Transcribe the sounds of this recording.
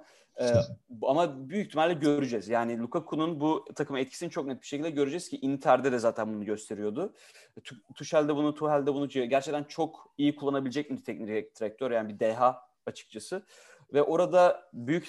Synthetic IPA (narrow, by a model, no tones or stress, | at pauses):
ɛamabyjyc̚t̪ʰimɛalʲd̪ʲɛɟøɾyd͡ʒɛzjaːnɪlʲukʰakʰununbut̪ʰakʰɯmɛt̪̚cʰi̥sinint͡ʃʰok̚nɛt̪̚bi̥ʃecilʲd̪ɛɟø̞ɾyd͡ʒɛz̥cʰiʔint̪ʰæɾd̪ɛd̪ɛzaːt̪ʰænbunuɟø̞st̪ʰe̞ɾijod̪ʊ | t̪ʰuʃælʲd̪ɛbunut̪ʰuɦælʲd̪ɛbunuɟæɾt͡ʃʰɛct̪ʰænt͡ʃʰo̞kijikʰulˠːanabilʲed͡ʒɛcmid̪t̪ʰɛcniɾɛt̪ʰɾɛk̚t̪ʰoɾjaːnibid̪ɛɦa | at͡ʃʰɯ̥k̚t͡ʃʰasɯ | vɛʔo̞ɾad̪abyjyc